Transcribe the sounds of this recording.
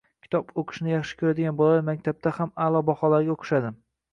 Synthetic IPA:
kʲʰɪ̥t̪ʰɒpoqʰɨ̥ʃnɪjɑχʃɪ̥kʰʲɵɾad̪ɪɡʲanbɒlamak̚ʲt̪ʰab̚t̪ahamalˠɒbɒhɒlaɾɡʲaoqʰɨ̥ʃad̪ɪm

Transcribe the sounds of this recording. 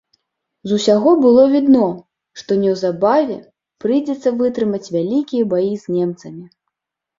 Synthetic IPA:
zusʲaɣɔbɨlˠɔvʲid̪nɔ | ʂt̪ɔnʲɛwzabavʲɛ̰ | pɾɨjd͡zʲɛt̪sːɐvɨt̪ɾɨmɐt͡sʲvʲalʲikʲijɐbajizʲnʲɛmt̪sɐmʲi

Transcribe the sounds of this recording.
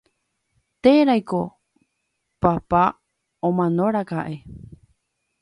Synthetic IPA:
t̪eɾajko̞ | papa | õmãnõɾakaʔe

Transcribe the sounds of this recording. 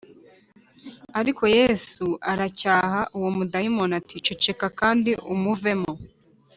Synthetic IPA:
aɾikʰo̞je̞ːsuʔaɾacaːhaʔuwomudahimonatit͡ʃe̞t͡ʃe̞kakaːndiʔumuve̞mo̞

